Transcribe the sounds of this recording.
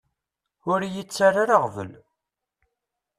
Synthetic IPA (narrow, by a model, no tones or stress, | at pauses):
ʊɾjət͡sːaraɾaʁvə̰l